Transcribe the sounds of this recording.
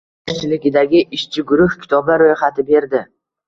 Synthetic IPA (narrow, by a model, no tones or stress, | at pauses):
t͡ʃʰɪlɪɡʲɪd̪aɡʲɪʔɪʃt͡ʃʰɪɡʊɾʊhkʲʰɪ̥t̪ʰɒbaɾojχat̪ʰɪbe̞ɾd̪ɪ